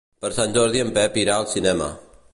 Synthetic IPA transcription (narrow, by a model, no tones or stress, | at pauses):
pɐɾsãnd͡ʒoːɾd̪ijəmpɛːpiːɾaːlsɪneːma̰ː